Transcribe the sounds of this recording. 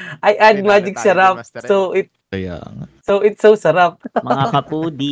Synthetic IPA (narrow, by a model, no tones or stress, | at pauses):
ʔajʔad̪̚maːd͡ʒɪksɐɾap̚sowʔɪt̪̚ | sowʔɪt̪sowsɐɾap̚mɐɐɐpuːd̪i